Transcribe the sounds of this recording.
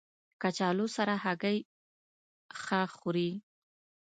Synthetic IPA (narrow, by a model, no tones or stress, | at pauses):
kat͡ʃɑlosaɾahaɡaj | xaxuɾi